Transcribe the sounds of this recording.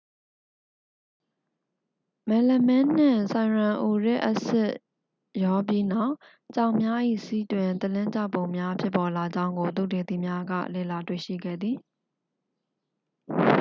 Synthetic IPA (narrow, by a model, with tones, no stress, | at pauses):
mɛ̃˨lə˨mɛ̃˦n̥ɪ̰̃˦˨sã˨ɹã˨ʔu˨ɹɛ̰˦˨ʔəsɪ˦˨ʔ | jɔ˦p̬ji˦na˦˨ʔ | t͡ɕã˨ʊ̃mja˦ʔḭ˦˨si˦twɪ̃˨nt̪əlɪ̃˦t͡ɕa˦˨põ˨ʊ̃mja˦pʰjɪ˦pːɔ˨la˨d͡ʑã˦ʊ̃ŋɡo˨t̪̬ṵ˦˨de˨d̪i˦˨mja˦ɡä̰˦˨lḛ˦˨la˨twḛ˦˨ʃḭ˦˨ɡɛ̰˦˨d̪ði˨